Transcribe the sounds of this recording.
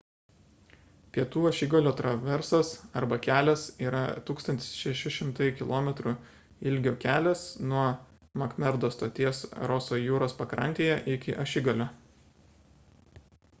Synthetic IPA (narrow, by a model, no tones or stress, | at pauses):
pʲiɛt̪uːɐʃʲɪɡolʲoːt̪ɾɐʋʲɛɾsɐsɐɾbɐkʲæːlʲɛsiːɾɐt̪uːkst̪ɐnt̪ʲɪ̥sʃʲɛʃʲɪʃʲɪmt̪ɐɪkʲɪlˠoːmʲɛt̪ɾu | ɪlʲɡʲoːkʲæːlʲɛsnuɔ | mɐkmʲɛɾd̪oːst̪oːt̪ʲiɛsɾɔsoːjuːɾoːspɐkɾɐ̰ˑnʲt̪ʲeːjɛʔɪkʲɪʔɐʃʲɪɡolʲoː